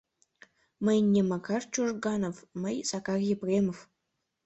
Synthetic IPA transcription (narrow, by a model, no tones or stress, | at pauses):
məjnʲːemɑkɑrt͡ɕuʐɡɑnofməjsɑkɑrʲjeprʲemof